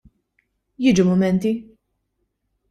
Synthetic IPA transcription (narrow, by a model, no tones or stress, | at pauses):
jɪːd͡ʒumʊmɛnt̪i